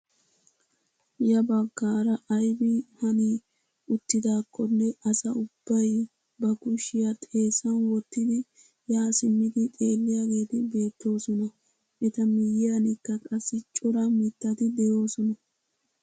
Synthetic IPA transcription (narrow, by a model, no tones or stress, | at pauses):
jɐbɐɡːaːɾɐʔɐjbɪhɐni | ʔʊt̪ːɪd̪aːkːɔnːɛʔɐsɐʊb̥ːɐj | bɐkʊʃɪjɐt̪ʼe̞ːsɐnwɔt̪ːɪd̪ɪ | jaːsɪmːɪd̪ɪt̪ʼe̞ːlːɪjaɡe̞ːt̪ɪbe̞ːt̪ːo̞ːsɔnɐ | ʔɛt̪ɐmɪjɪjɐnɪkːɐkʼɐsːɪt͡ʃʼɔɾɐmɪt̪ːɐt̪ɪd̪ɛjo̞ːsɔnɐ